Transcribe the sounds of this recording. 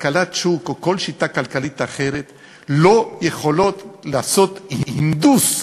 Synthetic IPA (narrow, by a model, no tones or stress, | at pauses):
kalat̪t͡ʃukoko̞lʃit̪akalkalit̪aχe̞ɾet̪ | lo̞jeχo̞lo̞t̪laaso̞t̪hhind̪us